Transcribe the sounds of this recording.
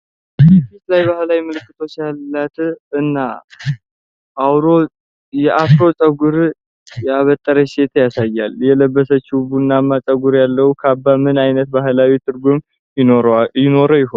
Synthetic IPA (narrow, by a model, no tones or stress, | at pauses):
bfit̪lajbahlawimɨlɨkːɨt̪ʰo̞t͡ʃalːat̪ɨnːa | ʔːwɾo | jɛʔafɾo̞t͡ʃʼəɡuɾ | jaβət̪ʼːəɾəse̞t̪ʰjasajːaljɛləbːəsət͡ʃːibunːamːat͡ʃʼəɡuɾjalːəwukʰabːamɨnajnət̪baɦlawit̪ʰɨɾɡum | ɪojɪno̞ɾəjɪhon